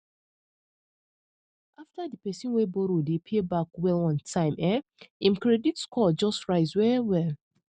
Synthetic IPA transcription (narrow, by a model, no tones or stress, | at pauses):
aftadipɛsĩnwebɔɾodepʰebak̚wɛlɔ̃ntʰãɪ̃mɛĩmkɹɛditskʰɔd͡ʒɔstɹaɪzwɛwɛl